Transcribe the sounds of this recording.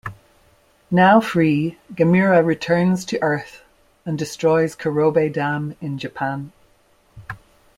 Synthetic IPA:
naʊfɹiːɡ̥əmiɹəɹɪtʰɜ˞nz̥tʰəʔɜ˞θ | ə̃ndɪstɹ̥ɔɪz̥kʰəɹoːbeɪdãmɪ̃nd͡ʒəpʰãn

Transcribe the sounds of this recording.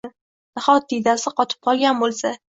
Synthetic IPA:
d̪̥ɪχɒt̪̚ːijd̪asɪqɒt̪ʰɪ̥p̚qʰɒlˠɡʲanbolˠsa

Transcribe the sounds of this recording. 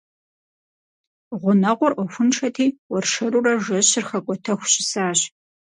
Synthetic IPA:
ʁʷʊnɐqʷɔrʔʷɔxʷʊnʈ͡ʂʰɐtʰiːwɔrʂɐɾurɐʒɐɕɪrχɐkʷʼɔtʰɐxʷɕɪsaːɕ

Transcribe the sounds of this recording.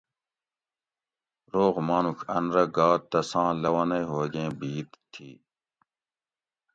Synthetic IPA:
ɾoːɣmaːnukʰɐnɾɐɡaːt̪ːɐsãːlɐwɐnɐjɦoːɡẽːbiːt̪t̪ʰːḭː

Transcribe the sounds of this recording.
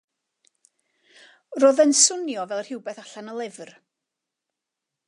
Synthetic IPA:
roːðɛnsʊnjɔvɛlˠrhɪwbɛθaɬanəlˠɪvr

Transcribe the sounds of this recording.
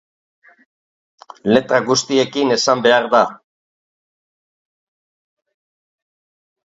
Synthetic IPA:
le̞t̪ɾaɣust̪ie̞kine̞sambe̞aɾða

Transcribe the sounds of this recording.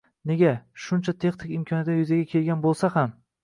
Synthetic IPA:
ne̞ɡʲaʃʊnt͡ʃʰat̪ʰe̞χnɪkʲɪmkʲʰɒnjat̪ʲajʊzaɡʲakʲʰe̞lɡʲanbolˠsaham

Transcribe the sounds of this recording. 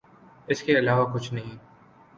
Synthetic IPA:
ɪskeɐlaːʋakʊt͡ʃʰnɐɦĩː

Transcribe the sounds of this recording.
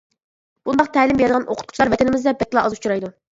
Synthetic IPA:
b̥und̪ɑqt̪ʰɛːlɪmbeɾɪd̪əʁɑnʔo̰qʰʊ̥t̪qʰʊ̥t͡ʃʰilˠɑɾvɛt̪ʰɪnɪmɪzd̪ɛbɛkʲːlˠɑɑzut͡ʃʰuɾɑjd̪u

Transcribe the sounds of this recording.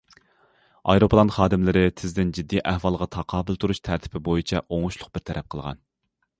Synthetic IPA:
ɑ̰jɾopʰlˠɑnχɑːd̪ɪmlɪɾɪt̪ʰɪzd̪ɪnd͡ʒid̪ːiʔæhwɑlˠʁɑt̪ʰɑqʰɑːbɪlt̪ʰuɾuʃt̪ʰæɾt̪ʰɪ̥pʰɪbojit͡ʃʰɛʔoŋʊʃlˠʊq̚b̥ɪɾt̪ʰɛɾʔɛp̚qʰəlˠʁɑ̰n

